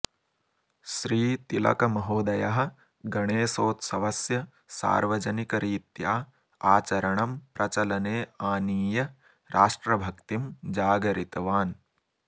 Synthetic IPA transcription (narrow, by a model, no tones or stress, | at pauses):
ʃɾiːt̪ilɐ̰kɐmɐɦoːd̪ɐjɐɦɐ̆ | ɡɐɳeːsoːt̪sɐʋɐsjɐ | sa̰ːɾʋɐd͡ʒɐnikɐɾiːt̪jaː | aːt͡ʃɐɾɐɳɐmpɾɐt͡ʃɐlɐneːaːniːjɐ | ɾʔaːʂʈɾɐbʱɐkt̪imd͡ʒaːɡɐɾit̪ɐʋaːn